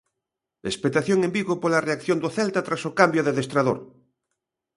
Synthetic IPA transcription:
espet̪aθjoŋembiɣopolareakθjond̪oθɛlt̪at̪ɾasokambjoðeðest̪ɾaðo̰ɾ

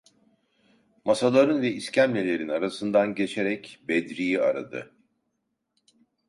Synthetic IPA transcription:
masalˠaɾɯnvɛiscʰæmlʲelʲe̞ɾinaɾasɯnd̪anɟe̞t͡ʃʰe̞ɾɛcbɛd̪ɾijia̰ɾa̰d̪ɯ̰

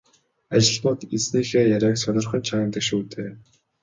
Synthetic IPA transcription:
at͡ɕɪ̆ɮmʊːt̪et͡sniːxeːjaɾʲæːksœnɞ̆rχə̆nt͡ɕʰaə̆mt̪ə̆kʃuːt̪ʰeː

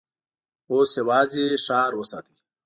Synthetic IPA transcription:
oːsewaːziʂaːɾwəsa̰ːt̪i̥

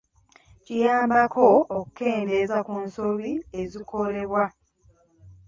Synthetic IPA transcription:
cijaːmbakʰo̞ːku̥ke̞ːnde̞zakunsoβiezikʰo̞le̞βwa

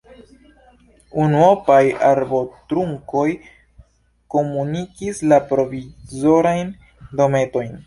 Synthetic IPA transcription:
unuopajaɾbo̞tɾuŋko̞j | ko̞munikislapɾo̞vizo̞ɾajn | do̞me̞to̞jn

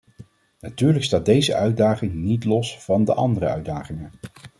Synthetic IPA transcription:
natyːɹləkstaːt̚dejzə̰ʔœɥdaːχɪŋnitlɔsfɑndə̰ʔɑ̰ndərəœ̰ɥdaːχɪŋə

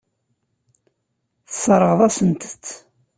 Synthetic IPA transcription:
θəsːəɾˤəʁðˤɑsənt̪ə̥t͡sː

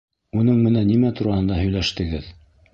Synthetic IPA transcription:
unɤɴmɘ̆nænːimæt̪uɾɑhɤ̆nd̪ɑɦɵ̆jlæʃt̪ɘ̆ɡɘð

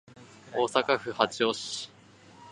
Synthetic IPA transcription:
oːsakaɸɯ̟hat͡ɕioɕi̥

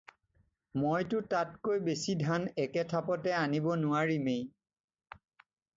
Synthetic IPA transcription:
mojtʊtatkojbesidʱanɛkɛtʰapɔtɛanibɔnʊaɹimej

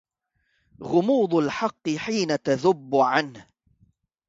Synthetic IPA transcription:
ɣʊmuːd̪ˤalħɑqːɨħiːnat̪aðʊbːʊʕanh

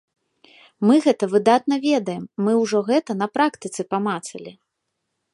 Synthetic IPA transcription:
mɨɣɛt̪ɐvɨd̪at̪̚nɐvʲɛd̪ɐjɛmːɨwʐɔɣɛt̪ɐn̪ɐpɾakt̪ɨt̪sɨpamat̪sɐ̰lʲi

